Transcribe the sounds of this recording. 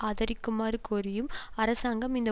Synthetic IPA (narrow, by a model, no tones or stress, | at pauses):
aːðɐɾɪkːɯmaːɾɯkoːɾɪjɯmɐɾɐsaːŋɡɐmɪnd̪ɐ